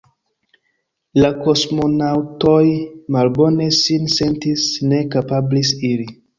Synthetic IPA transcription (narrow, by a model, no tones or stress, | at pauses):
lakosmo̞nawtojmalbo̞ne̞sinse̞ntisne̞kapablisili